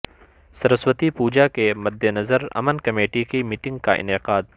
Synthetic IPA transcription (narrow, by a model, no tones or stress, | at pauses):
sɐɾəswət̪ipuːd͡ʒakemɐd̪ʱːenɐzəɾɐ̰mənkɐmeːʈikimiːʈɪ̃ŋɡ̚kaʔɪ̰nɪqaːd̪